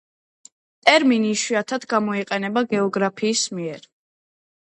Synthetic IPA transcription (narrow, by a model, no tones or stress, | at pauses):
t̪ʼɛɾminiʃwiat̪ʰad̪ɡamɔiqʼɛnɛbaɡɛɔɡɾapʰiːsmiɛɾ